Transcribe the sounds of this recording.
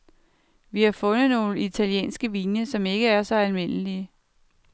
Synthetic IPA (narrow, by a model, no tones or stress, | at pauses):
ʋihɑfɔ̽nð̩ˠno̝ːləit͡sʰæljḛːnsɡ̥əʋiːnəsɒ̽me̝ɡ̥əæɐsɒ̽ælme̝n̰əliə